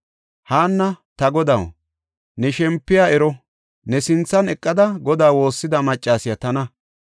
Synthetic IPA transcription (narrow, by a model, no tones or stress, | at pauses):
haːnːɐt̪ɐɡɔd̪ɐw | nɛʃɛmpːɪjaːɛɾɔ | nɛsɪnt͡sːɐnɛkʼːɐd̪ɐɡɔd̪aːwo̞ːsːɪd̪ɐmɐt͡ʃʼːaːsɪjɐt̪ɐnɐ